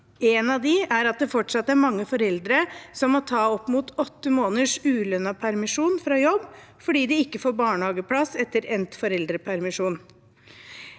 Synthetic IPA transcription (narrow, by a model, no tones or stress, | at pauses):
ɛːnɑʋd̪ɪæɾɑt̪̚d̪ɛfɔʈʂɑt̪ːæɾmɑŋːəfɔɾɛld̪ɾəsɔmːɔt̪ʰɑːɔpːmuːt̪ɔt̪ːəmoːnəʂʉːlœnːɑpʰæɾmɪʂuːnfɾɑjɔbː | fɔɖiːd̪ɪɪkːəfoːɾbɑːɳəhɑːɡəpʰlɑsɛt̪ːəɾɛnt̪fɔɾɛld̪ɾəpʰæɾmɪʂuːn